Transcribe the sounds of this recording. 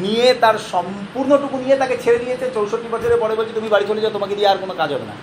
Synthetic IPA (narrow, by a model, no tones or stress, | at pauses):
nijet̪aɾʃɔm | puɾnoʈukunijet̪aket͡ɕʰeɾed̪ijet͡ɕʰet͡ɕowʃot̪ːibat͡ɕʰoɾepɔɽeboɾt͡ɕʰit̪umibaɽit͡ɕʰoled͡ʑaot̪omaked̪ijaːɾkonokãd͡ʑɦɔbḛna̰